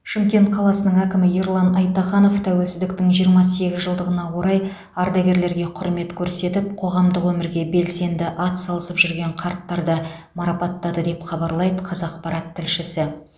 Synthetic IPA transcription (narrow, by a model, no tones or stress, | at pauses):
ʃɪmkʲe̞nt̪̚qʰɑlˠɑsənəɴækʲɪmɪjeɾlˠɑnɑjt̪ɑχɑno̞ft̪ʰæwelsɪzd̪ɪk̚t̪ɪŋʒijəɾmɑse̞ɡʲɪzʒəlˠd̪əʁənɑwo̞ɾɑj | ɑɾd̪ɑɡʲe̞ɾle̞ɾɡʲe̞qʰʊɾme̞t̪kʲʰɵɾse̞t̪ɪp̚qʰo̞ʁɑmd̪əqwɵmɪɾɡʲe̞be̞lse̞nd̪ɪʔɑt̪sɑlˠəsəpʒʏɾɡʲe̞ɴqʰɑɾt̪ːɑɾd̪ə | mɑɾɑpɑt̪ːɑd̪əd̪e̞pχɑbɑɾlˠɑjd̪əqʰɑzɑq̚pɑɾɑt̪ʰːɪlʃɪsɪ